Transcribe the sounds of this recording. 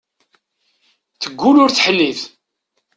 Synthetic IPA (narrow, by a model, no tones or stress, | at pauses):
θəɡʷːulʊɾθħəlːiθ